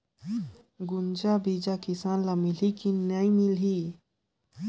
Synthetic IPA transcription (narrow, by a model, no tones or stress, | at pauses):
ɡʊnd͡ʒabid͡ʒakɪsaːnlamɪlikinəĩmɪli